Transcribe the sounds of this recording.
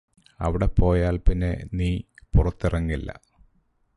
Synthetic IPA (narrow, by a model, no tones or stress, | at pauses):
ɐ̰ʋiɽe̞po̞ːjaːlpinːḛniːpurɐt̪ːirɐŋːilːɐ̰